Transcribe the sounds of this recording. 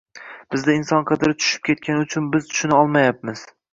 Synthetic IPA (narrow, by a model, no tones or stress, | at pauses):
b̥ɪzd̪aɪnsɒnqʰɑd̪ɪɾɪt͡ʃ̪ʰʊ̥ʃɪ̥p̚kʲʰe̞t̪̚kʲanɪʊt͡ʃʰʊnbɪzt̪ʰʊ̥ʃʊnaɒlˠmajap̚mɪz̥